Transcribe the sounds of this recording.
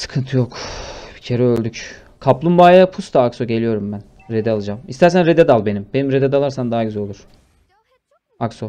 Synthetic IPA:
sɯ̥kʰɯnt̪ʰɯjokb̥icʰe̞ɾɛølʲd̪yc | kʰaplˠumbaːjapʰust̪aːkso̞ɟe̞lʲijo̞ɾumbæn | ɾed̪ɛalˠɯd͡ʒamist̪æɾsænɾed̪ed̪alˠbe̞nimbe̞nimɾed̪ed̪alˠaɾsand̪aɦaɡyzɛolˠuɾ̥ | akso

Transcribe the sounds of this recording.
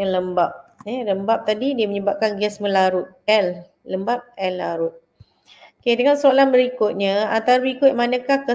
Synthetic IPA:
aləmbap̚ɛləmbap̚t̪adidiəməɲəbap̚kanɡɛsməlaɾʊt̪̚ɛl | ləmbap̚ɛlːaɾʊt̪̚ | okedəŋansolanbəɾikʊt̪̚ɲãant̪aɾbəɾikʊt̪̚manãkahkə

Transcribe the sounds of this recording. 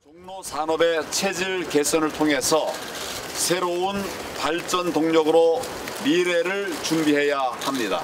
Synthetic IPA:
t͡ɕʌŋnosʰanʌbe̞t͡ɕʰe̞d͡ʑiɭke̞s͈ʰʌnɯɭtʰoŋɦe̞sʰʌ | sʰe̞ɾoun | paɭt͡ɕ͈ʌntoŋɲʌɡɯɾo | miɾe̞ɾɯɭt͡ɕumbiɦe̞jahamɲida̰

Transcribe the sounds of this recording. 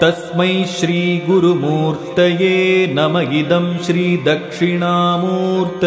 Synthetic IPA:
t̪ɐsmɐjʃɾiːɡuɾumuːɾt̪ɐjeːnɐmɐɡid̪ɐmʃɾiːd̪ɐkʂiɳaːmuːɾt̪

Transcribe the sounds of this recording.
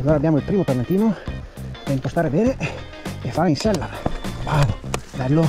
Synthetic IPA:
aloːɾabjaːmoilpɾiːmopalːant̪iːno | p̪eint̪ost̪aːɾebɛːne | efːaːɾeinsɛlːalbaːvobɛlːo

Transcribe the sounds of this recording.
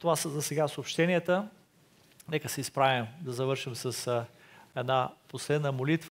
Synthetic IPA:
t̪ovasəzɐsɛɡasoopʃt̪ɛnijət̪ə | nɛkəsɛispɾavimd̪ɐzɐvɤɾʃimsɐs | ɛd̪naposlɛd̪nəmolit̪v

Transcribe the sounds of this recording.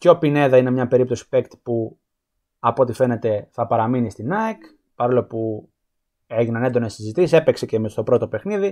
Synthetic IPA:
co̞pine̞ðɐine̞mɲɐpe̞ɾipt̪o̞si̥pe̞kt̪i̥pu | ɐpot̪ife̞ne̞t̪e̞θɐpɐɾɐminist̪inɐek | pɐɾo̞lopu | e̞ʝinɐne̞nd̪o̞ne̞sizit̪isise̞pe̞ksecemst̪o̞pɾo̞t̪o̞pe̞xniði

